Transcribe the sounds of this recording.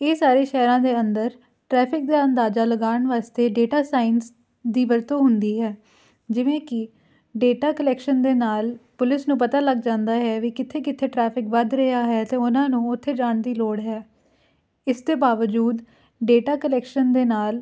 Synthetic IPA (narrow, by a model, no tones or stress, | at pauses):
eːsaːɾeːʃɛːɾãːd̪eːənd̪əɾ | ʈɾɛːpʰɪk̚d̪aːənd̪aːzaːləɡaːəɳʋaːst̪eːɖeːʈaːsaːɪns | d̪iːʋəɾt̪õːɦʊnd̪iːɦɛː | d͡ʒɪʋẽːkɪ | ɖeːʈaːkəlɛːkʃənd̪eːnaːlpʊlɪsnũːpət̪aːləɡd͡ʒãːnd̪aːɦɛːʋiːkɪt̪ʰːeːkɪt̪ʰːeːʈɾɛːpʰɪkʋəd̪ɾəjaːɦɛːt̪ẽːʊnãːnũːʊt̪ʰːeːd͡ʒaːɳd̪iːloːɽɦɛː | ɪst̪eːbaːʋəd͡ʒuːd̪ | ɖeːʈaːkəlɛːkʃənd̪eːnaːl